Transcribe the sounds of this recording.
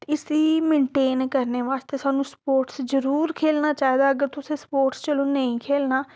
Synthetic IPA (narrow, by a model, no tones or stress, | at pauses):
ɪsiːmẽːɳʈeːnkəɾneːʋaːst̪eːsaːnũːspoːɾʈszəɾuːɾkʰeːlnaːt͡ʃaːed̪aːəɡəɾt̪ʊsẽːspoːɾʈst͡ʃəlõːnəĩːkʰeːlnaː